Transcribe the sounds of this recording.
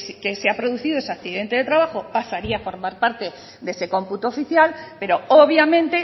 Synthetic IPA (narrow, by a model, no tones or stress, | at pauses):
sikeseapɾo̞ðuθiðoesakθiðe̞nt̪e̞ð̞e̞t̪ɾaβ̞axo̞pasaɾiaːfo̞ɾmaɾpaɾt̪e̞ | d̪ese̞ko̞mput̪oːfiθjalpe̞ɾo̞oβjamẽnt̪e̞